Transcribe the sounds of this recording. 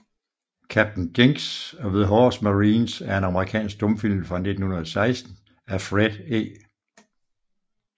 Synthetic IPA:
kʰæb̥̚d̥n̩ɡ̥e̝ŋɡ̥sɒ̽ʋe̝ðˠɦɒːsmæʁiːnsæɐe̝nɑ̈məʁikʰɛ̰ːnsɡ̥̚d̥ɔ̽mfil̰̩fʁɑ̈ne̝d̥n̩hunɐðˠsɑ̈ɪsd̥n̩ | æfʁed̥ḛː

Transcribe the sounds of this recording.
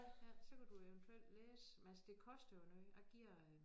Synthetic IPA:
hæɐsɒ̽kʰæd̥uewnt͡sʰuel̰d̥leːsmelsd̥e̝kʰɒ̽sd̥ɐjonyæɡ̥iɐ̰

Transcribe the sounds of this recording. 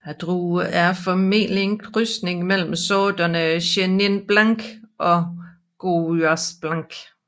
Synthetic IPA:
æd̥ʁuæɐfɒmḛːlieŋɡ̥ʁysne̝ŋmel̰m̩sɔːd̥ɐnəɕenenb̥lɑŋɡ̥ʔɒ̽ | ɡ̥oɐsb̥lɑŋɡ̥

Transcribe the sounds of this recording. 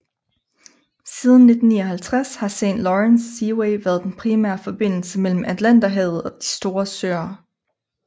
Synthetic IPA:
siːð̞ˠn̩ːe̝d̥n̩nḭːɒ̽ɦælt͡sʰʁashɑ̈sḛnlɒʁensːiweɪʋæːɐð̞ˠd̥enpʰʁimæɐfɒ̽b̥e̝n̰l̩səmel̰m̩ʔæd̥læn̰d̥æɦɛð̩ˠɒ̽d̥i̥sd̥o̝ːɐsø̰ːɐ

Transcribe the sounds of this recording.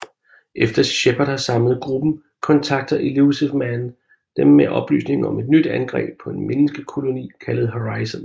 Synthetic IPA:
ʔefd̥ɐɕeb̥ɐdˠhɑ̈sɑ̈mlð̞̩ˠɡ̥ʁub̥n̩ | kʰɒ̽nt͡sʰɑ̈ɡ̥̚d̥ɐʔilusemæn | d̥emːeʔɒ̽b̥ly̰ːsne̝ŋɒ̽me̝d̥nyd̥ænɡ̥ʁɛ̰ːb̥̚pʰɒ̽e̝nmenəsɡ̥əkʰo̝lo̝nḭːkʰælð̞̩ˠɦo̝ʁɑ̈ɪsən

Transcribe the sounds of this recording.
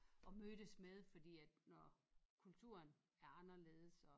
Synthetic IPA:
ʔɒ̽mød̥əsmeð̞ˠfɒ̽d̥ḭːæd̥nɒkʰult͡sʰuɐn | æɐɑ̈nɐle̝ːð̞̩ˠəsɒ

